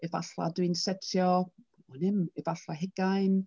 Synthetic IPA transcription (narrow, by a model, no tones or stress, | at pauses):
ɛvaɬa̰dwɨnsɛtʰjɔ | ɔnɪmɛvaɬaɦɛɡaɨn